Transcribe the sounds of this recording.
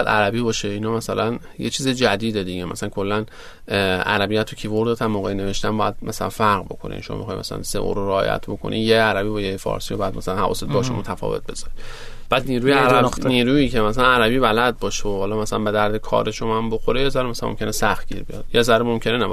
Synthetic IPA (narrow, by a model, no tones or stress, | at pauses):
bjæd̪ʔæ̰ɾæbiːbɒːʃeinɒːmæsælæn | jet͡ʃʰiːzed͡ʒæd̪iːd̪ed̪iɡemæ̰sælænkʰo̞lːæn | æ̰ɾæbijæt̪ʰocʰivoɾd̪et̪ʰæmmːoːɣejneve̞ʃt̪æmbɒːjæd̪mʔæsælæ̰nfæɾɣbo̞̰kʰo̞̰nḭʃo̰mɒ̰mḛxɒ̰ːjmæ̰sælæ̰nsḛʔo̰ɾoɾeɒːjæ̰t̪ʰbo̞kʰo̞̰nʔḭjeæɾæbiːbɒjefɒ̰ːɾsijobɒjæd̪̚mæsælænhævɒ̰ːset̪̚bɒʃomot̪ʰæfɒ̰ve̞̰t̪̚be̞z̥ɒɾi | b̥æːd̪niːɾuːjeæniːɾuːiːcʰemæsælænæɾæbiːbælæd̪̚bɒːʃeohɒlɒːmæsælænbe̞d̪æɾd̪ekʰɒ̰ːɾeʃomæmboxoɾejezæɾmæsæmo̰mcʰe̞nesæxt̪̚ɡ̥ḭːɾbijɒ̰d̪̥jezæɾemo̞mcʰe̞nenæbɒ